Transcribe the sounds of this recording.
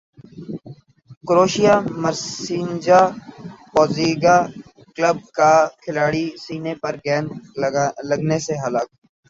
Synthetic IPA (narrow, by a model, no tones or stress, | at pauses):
kʊɾoːʃijaməɾsiːnd͡ʒaːpɔːziːɡa | kləb̚kakʰɪlaːɽisiːnepɐɾɡɛːn | lɐɡneseɦɐlaːkː